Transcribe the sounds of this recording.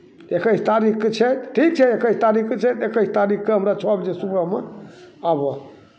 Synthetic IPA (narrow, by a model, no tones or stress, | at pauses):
ekəst̪aɾikket͡ʃʰɛt̪ʈʰik̚t͡ʃʰɛekəst̪aɾikket͡ʃʰɛt̪ekəst̪aɾikkeɦəmɾat͡ʃʰɔbd͡ʒesupəmḛabə